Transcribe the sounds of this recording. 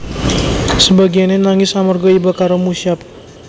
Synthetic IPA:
səbaɡianenaŋɪsamɔrɡɔibakaɾomusiap̚

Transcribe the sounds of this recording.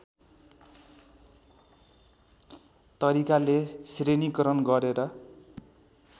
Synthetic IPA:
t̪ʌɾikalesrenikʌɾʌnɡʌɾeɾʌ

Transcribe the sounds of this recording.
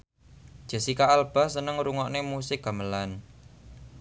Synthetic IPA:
d̥ʒ̥ə̤sikaalb̥a̤sənəŋɾuŋɔʔnemusɪk̚ɡ̥a̤məlan

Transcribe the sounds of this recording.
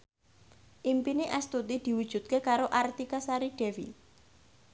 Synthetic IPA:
ʔimpiniʔɛst̪ut̪id̪̥i̤wud̥ʒ̥ṳt̪̚kekaɾoʔart̪ikasaɾiɖ̥ɛ̤wḭ

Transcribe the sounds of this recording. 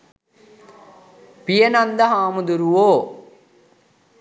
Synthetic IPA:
pijɐnɐnd̪ɐɦaːmud̪uɾuwoː

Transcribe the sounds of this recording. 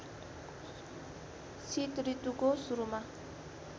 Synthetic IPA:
sʰit̪ɾit̪uɡosuɾuma

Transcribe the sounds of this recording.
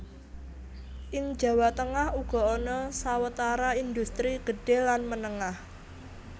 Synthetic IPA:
ʔɪŋd̥d͡ʒ̥ä̤wat̪əŋahuɡ̥ɔ̤onɔsawət̪aɾaind̪ust̪ɾiɡ̥ə̤ɖ̥e̤lanmənəŋah

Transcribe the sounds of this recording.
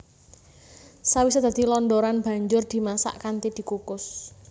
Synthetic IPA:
sawisod̪ä̤d̪̥i̤lɔnd̪oɾanb̥ä̤ɲd͡ʒʊrd̪̥i̤masa̰ʔkant̪id̪̥i̤kukʊs

